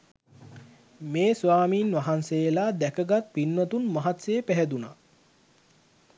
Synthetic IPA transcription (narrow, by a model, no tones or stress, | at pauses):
meːsʋaːmiːnʋaɦansejlad̪ækəɡat̪̚pinːwat̪unmaɦat̪seːpæɦæd̪una